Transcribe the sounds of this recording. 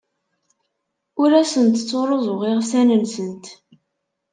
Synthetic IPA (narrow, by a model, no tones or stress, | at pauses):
ʊɾæsənt̪ət͡sːoɾˤozˤoʁɪʁsænənsənt̪